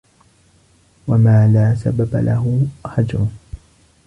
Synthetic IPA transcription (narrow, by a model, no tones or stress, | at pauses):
wamaːlaːsababa̰lʔa̰ɦʊħad͡ʒɾʊ